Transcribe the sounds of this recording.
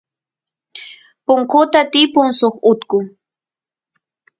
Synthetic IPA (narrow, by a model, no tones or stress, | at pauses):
pʊŋqot̪at̪ɪpʊŋsoχʊt̪kʊ